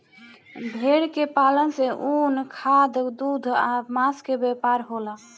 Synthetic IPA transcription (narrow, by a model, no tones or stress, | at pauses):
bʱeɽkepalənseʔunkʰad̪d̪ud̪ʱamaskebepaɾɦola